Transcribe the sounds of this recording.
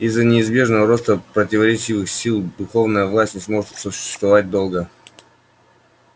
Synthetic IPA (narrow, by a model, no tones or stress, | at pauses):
ɪzːənʲɪɪzbʲe̞ʐnəvəɾo̞st̪əpɾətʲɪvɐɾʲet͡ɕivɨxsʲilˠd̪ʊxo̞vnəjəvlˠasʲtʲnʲɪsmo̞ʐɨt̪sʊɕɪ̥st̪vɐvat̚ʲd̪o̞lˠɡə